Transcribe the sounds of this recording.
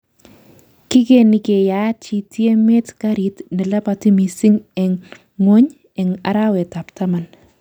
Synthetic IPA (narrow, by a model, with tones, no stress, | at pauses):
ki˦ke˨ni˨ke˨ja˨t͡ʃi˨tje˦me˦tka˦ɾi˨tnɛ˨la˦pa˨ti˦mi˨sɪ˦ŋɛ˨ŋː | o˦ɲ | ɛ˨ŋa̰˨ɾa˦wɛ˨ta˨pta˦ma˨n